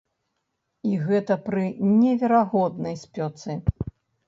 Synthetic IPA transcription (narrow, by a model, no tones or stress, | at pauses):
iɣɛt̪ɐpɾɨnʲɛvʲɛɾaɣɔd̪nɐjsʲpʲɔt̪sɨ